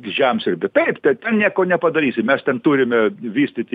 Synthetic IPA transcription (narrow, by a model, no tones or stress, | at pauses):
ʒʲæmsʲɪɾʲbʲɪt̪ɐɪpt̪ʲɛt̪ʲɛnnʲiɛkoːnʲɛpɐd̪ɐɾʲiːsʲɪmʲɛst̪ʲɛnt̪uːɾʲɪmʲɛʋʲiːsʲt̪ʲɪt̪ʲ